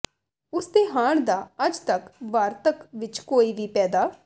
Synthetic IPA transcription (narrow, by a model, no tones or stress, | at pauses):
ʊsd̪eːɦaːɳd̪aːəd͡ʒt̪əkʋaːɾt̪əkʋɪt͡ʃkoːiːʋiːpɛːd̪aː